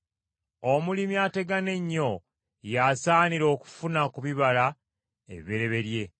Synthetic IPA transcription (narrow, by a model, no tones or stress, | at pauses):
omulimiate̞ɡane̞ɲːo̞ | jasaːniɾo̞ːku̥funakuβiβala | e̞̰ββeɾe̞βe̞ɾje̞